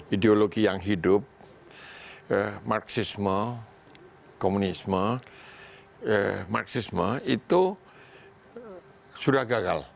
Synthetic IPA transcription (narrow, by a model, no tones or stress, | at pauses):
ideoloɡijaŋɦidʊp̚ | marksismə | komunismə | marksisməit̪u | suɾahɡaɡal